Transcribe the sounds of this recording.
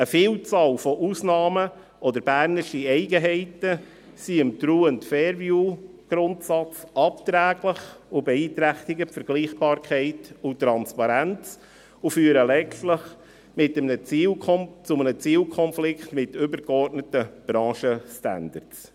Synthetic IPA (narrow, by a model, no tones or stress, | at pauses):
əfiːlt͡sɑːlfɔʔusnɑːmə | ʔɔdəɾb̥æːɾnɪʃiɛɪɡəɦɛɪtə | siəmtɾuːəntfɛːɾvjuɡ̥ɾʊntsɑt͡sʔɑpt̪ɾæːɡləχʊbɛiːtɾæχt̪ɪɡəfəɾɡ̥liːχb̥ɑːɾkχɛɪtʊtːɾɑnspɑɾænt͡s | ʊfyːɾəlɛt͡stlɪχ | mɪtəmnəiːlt͡sʊmənət͡siːlkʰɔnflɪktmɪtʏbəɾɡɔrtnətəb̥ɾɑ̃ːʃəstæ̰ndərts